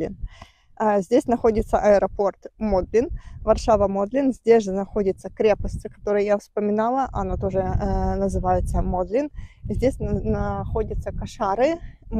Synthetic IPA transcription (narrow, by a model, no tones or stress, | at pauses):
lʲɪ̰n | zʲdʲesʲnɐxo̞dʲɪt̪səʔɐɛɾɐpo̞rt̪mod̪lʲɪnvɐrʂavəmo̞d̪lʲɪnzʲdʲesʲʐɨnɐxo̞dʲɪt̪səkɾʲe̞pəsʲtʲɪkɐ̥t̪o̞ɾɨjjafspəmʲɪnalˠəʔɐ̰not̪o̞ʐɨnəzɨvajɪt̪səmod̪lʲɪnzʲdʲesʲnnɐxo̞dʲət̪səkɐʂaɾɨm